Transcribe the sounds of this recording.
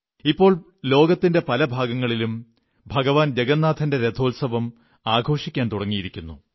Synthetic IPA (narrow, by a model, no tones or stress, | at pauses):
ipːo̞ːɭ | lo̞ːɡɐt̪ːinde̞pɐlɐbʱaːɡɐŋːɐɭilum | bʱɐɡɐʋaːnd͡ʑeɡɐnːaːd̪ʰʱɐnde̞ɾed̪ʰʱo̞ːlsɐʋɐm | aːɡʱo̞ːʂikʲːaːnt̪uɽɐŋːijiɾikʲːunːu